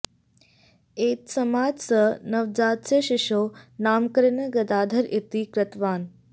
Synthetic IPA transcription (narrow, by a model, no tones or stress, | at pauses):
eːt̪sɐmaːd͡ʒsənɐʋd͡ʒaːt̪sɐʃiʃoːnaːmkəɾnəɡɐd̪aːd̪ʱɐɾit̪ikɾɐt̪ʋaːn